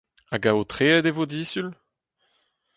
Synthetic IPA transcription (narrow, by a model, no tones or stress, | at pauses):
aɡaot̪χeːɛd̪evod̪isyl